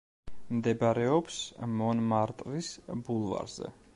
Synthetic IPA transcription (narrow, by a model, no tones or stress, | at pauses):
md̪ɛbɾɛɔpsmɔnmaɾt̪ʼɾisbulˠva̰ɾzɛ̰